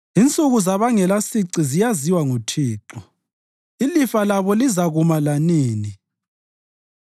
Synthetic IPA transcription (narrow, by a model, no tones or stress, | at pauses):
int͡sʼuɣuzaβaŋɛlasiǀizijaziwaŋutʰiːǁɔ | ilifalaβɔlizaɣumalaniːni